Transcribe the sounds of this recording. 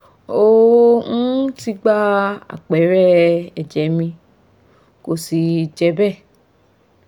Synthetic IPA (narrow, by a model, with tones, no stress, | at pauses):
o˦n̩˦ti˧ɡ͡ba˦a̰˦˨k͡pɛ˨˦ɾɛ˦ɛ˨d͡ʒɛ˨˦mĩ˧ | ko˨si˨d͡ʒɛ˧˦bɛ˦˨